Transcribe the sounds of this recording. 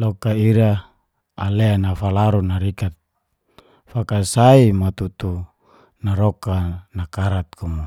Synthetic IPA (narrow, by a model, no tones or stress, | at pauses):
lɔkaiɾa | aleanafalaɾunaɾikat̪̚ | fakasaimat̪ut̪u | naɾɔkanakaɾat̪̚kʰumu